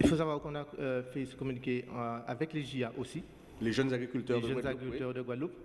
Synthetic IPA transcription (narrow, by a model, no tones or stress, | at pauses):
ilfosavwaʁkɔ̃naøfɛsə̥kɔmynikʲeavɛkleʒiaʔosi | leʒənzaɡʁikʲylt̪œʁd̪ʒənzaɡʁikyt̪ɛʁd̪əɡwalup